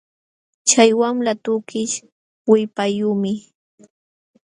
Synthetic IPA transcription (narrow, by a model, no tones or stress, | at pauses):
t͡ʃajwamlat̪ʊkɪʃ | wɪpajʊmɪ